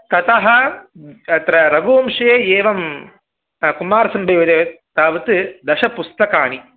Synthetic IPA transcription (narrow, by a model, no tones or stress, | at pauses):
t̪ɐt̪ɐɦɐ | ɐt̪ɾɐɾɐɡuːmʂɐjeeːʋɐm | kumːaːɾɐsɐmbɐjoːt̪e | t̪aːʋɐt̪ɨd̪ɐʃɐpust̪ɐkaːɳi